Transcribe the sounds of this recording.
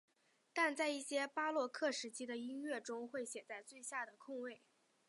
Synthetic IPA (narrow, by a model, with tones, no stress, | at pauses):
t̪a˥˧nt͡sa˥˧ɪi˥˩ɕjɛ˥pa˥lwɔ˥˧kʰɤ˥˩ʂɻ̩˧˥t͡ɕʰi˥d̪ə˨i˥nɥɛ˥˩ʈ͡ʂʊ˥ŋxwe˥˩ɪɕjɛ˨˩t͡sa˥˧ɪt͡swe˥˧ɪɕja˥˩d̪ə˩kʰʊ˥˧ŋwe˥˩ɪ